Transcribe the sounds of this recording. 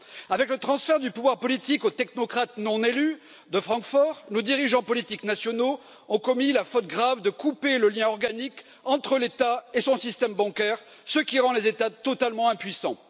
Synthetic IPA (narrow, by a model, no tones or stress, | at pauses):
avɛklət̪χɑ̃sfɛʁd̪ypuvwaʁpɔlit̪ikot̪ɛknɔkχat̪nɔ̃nely | d̪əfχɑ̃kfɔʁnod̪iʁiʒɑ̃pɔlit̪iknasjɔno | ɔ̃kɔmilafɔt̪̚ɡʁavd̪əkupeləljɛ̃ɔʁɡanik | ɑ̃t̪χəlet̪aesɔ̃sist̪ɛmbɑ̃kɛʁ | səkʲiʁɑ̃lezet̪at̪ɔt̪almɑ̃ɛ̃pɥisɑ̰̃